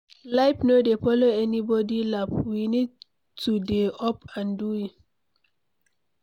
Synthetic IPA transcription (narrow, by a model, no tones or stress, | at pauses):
laɪpnodefɔloɛnibɔdilapwinid̚ | tʰudeɔpãnduit